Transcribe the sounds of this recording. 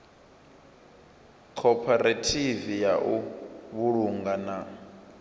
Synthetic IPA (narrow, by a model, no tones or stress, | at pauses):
kʰɔpʰaɾatʰivijaʔuβuɺuŋɡana